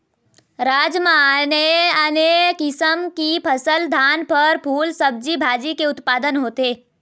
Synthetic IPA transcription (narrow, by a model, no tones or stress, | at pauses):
ɾaːd͡ʒmaneənekɪsəmkipʰɐsəld̪ʱaːnpɐɾpʰuːlsɐb̚d͡ʒibʱaːd͡ʒikeʊt̪paːd̪ənɦoːt̪eː